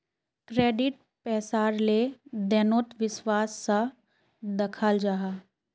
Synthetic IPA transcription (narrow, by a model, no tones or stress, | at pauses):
kɾeːɖɪʈ̚ | pɛːsaːɾled̪ɛːnoːt̪ʋɪswaːsːa | d̪ɐkʰaːld͡ʒaːɦaː